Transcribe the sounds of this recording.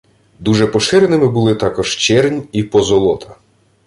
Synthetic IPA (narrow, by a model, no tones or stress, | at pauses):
d̪uʒɛpɔʃɪɾenɪmɪbulˠɪt̪ɑkɔʒ̥t͡ʃɛrnʲipɔzɔlˠɔt̪ʰɐ̥